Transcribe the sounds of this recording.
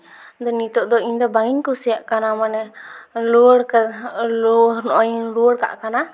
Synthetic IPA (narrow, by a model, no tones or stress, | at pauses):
d̪ɔnit̪ɔʔd̪ɔiɲd̪ɔbaŋiɲkusɛjaʔkanamanɛluɽkalɔɾnɔʔɔjluɽka̰ʔkana